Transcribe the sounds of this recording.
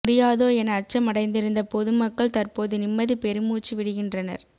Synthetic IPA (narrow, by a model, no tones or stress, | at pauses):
mʊɽɪjaːðoːɛnɐːt͡ʃːɐmɐɽɐɪnd̪ɪɾɯnd̪ɐpɔðɯmɐkːɐɭt̪ɐrpoːðɯnɪmːɐðɯpɛɾɯmuːt͡ʃːiʋɪɽɯɣɪndrɐnɐ̰ɾ